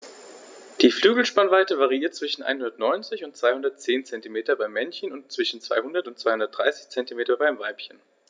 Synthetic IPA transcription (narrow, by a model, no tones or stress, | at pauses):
d̥iːflyːɡl̩ʃpanvaɪtəvaʁiiːɐt̚t͡sv̥ɪʃn̩ʔa̰ɪnhʊndɐtnɔʏnt͡sɪçʊnt̚t͡sv̥aɪhʊndɐtt͡seːnt͡sɛntimeːtɐbaɪmːɛnçənʊntt͡sv̥ɪʃn̩t͡sv̥a̰ɪhʊndɐtʊntt͡sv̥aɪhʊndɐt̚d̥ʁaɪsɪ̥çt͡sɛntimeːtɐbaɪmvaɪpçən